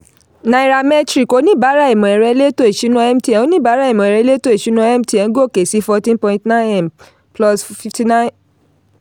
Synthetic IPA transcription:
na˧i˨ɾa˧mɛ˦tɾi˦˨ko˨˦nĩ˦˨ba˨˦ɾa˦i˨mɔ̃˨ɛ˨ɾɛ˧˦le˦to˦e˨ʃi˨˦nɔ̃˧ɛ˦m̩˦ti˧ɛ̃˨o˦nĩ˦˨ba˨˦ɾa˦i˨mɔ̃˨ɾɛ˧˦le˦to˦e˨ʃi˨˦nɔ̃˧˦ɛ˦m̩˦ti˧ɛ̃˨˦ɡo˦˨ke˨si˨˦fɔ˧tĩ˦npɔ̃˧ĩ˧tnã˦ɛ˨m | plɔ˧sfi˧fti˧nã˦

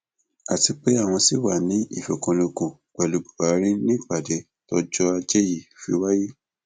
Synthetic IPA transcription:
a˨ti˧k͡pe˨˦a˦˨w̃ɔ̃˧si˦wa˨nĩ˨˦ḭ˦˨fɛ˨kõ˨˧lo˧kũ˨ | k͡pɛ˨lu˧bu̥˨ba˨˦ɾĩ˦nĩ˦˨k͡pa˦˨dɛ˨˦ | tɔ˧d͡ʒɔ˦a˧d͡ʒɛ˦ji˦˨fi˨˦wa˦ji˦

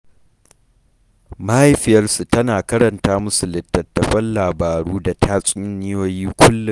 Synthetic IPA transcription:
ma˦ʔa˦jɸɪ˦jɐ˦rsu˨tɐ˦naː˨kɐ˦ɾɐ˨ntaː˦mʊ˦su˨lɪ˨tːɐ˨tːɐ˨ɸɐ˦nlaː˨baː˨ɽuː˦da˨tʰaː˦sʼi˦ɪ˦nːɪ˦joː˦jiː˦kʷʰʊ˦lːʊ˨

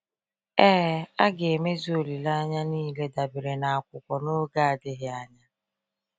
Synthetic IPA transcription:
ɛː˦a˦ɡe˨me˦zi˦o˨li˨la˦ɲa˦niː˦le˦da˨bɪ˨ɾe˨na˨a˨kʷʊ˨kʷɔ˨no˦ɡa˦a˨dɪ˦ɦɪ˦a˦ɲa˦

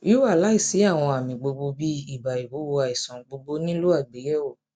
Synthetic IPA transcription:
i˦wa˦˨la˨˦i˦˨si˨˦a˦˨w̃ɔ̃˧a˨mĩ˨ɡ͡bo˧ɡ͡bo˧bi˦i˦˨ba˨i˨wo˨˦wo˧a˨i˨sɔ̃˨ɡ͡bo˧ɡ͡bo˧nĩ˦lu˦a˦˨ɡ͡be˨˦jɛ˦o˦˨

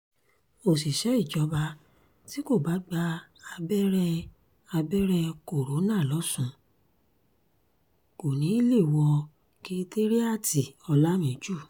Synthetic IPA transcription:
o˨si˨ʃɛ˨˦i˦˨d͡ʒɔ˧˦ba˧ | ti˦ko˦˨ba˨˦ɡ͡ba˧a˧bɛ˦ɾɛ˦ | a˧bɛ˦ɾɛ˧ko˨ɾo˨˦nãː˦˨lɔ˨˦sũ˦˧ | ko˨nĩ˨˦i˦le˦˨wɔ˧ | ki˧˦te˦ɾi˦a˦˨tʰi˨ɔ˧la˦mĩ˨˦d͡ʒu˦˨

